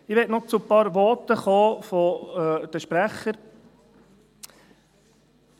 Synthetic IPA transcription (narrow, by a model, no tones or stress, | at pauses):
ɪʋɛtnɔt͡supɑːɾʋɔtəχoːfɔd̥̪əʃpɾæχəɾ